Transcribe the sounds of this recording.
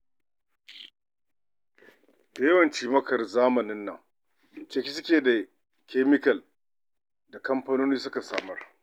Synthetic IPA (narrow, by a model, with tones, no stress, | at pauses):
da˨jɐ˦wɐ˨nt͡ʃiː˦mɐ˦kɐ˨rzaː˦mɐ˨nɪ˦nːɐ˨ŋ | t͡ʃɐ˦kʲi˦sʊ˦kʲeː˨da˨ | kʲeː˦mɪ˦kɐ˨l | da˨kɐ˦mɸaː˦noː˦niː˦sʊ˦ka˨saː˨mɐ˦r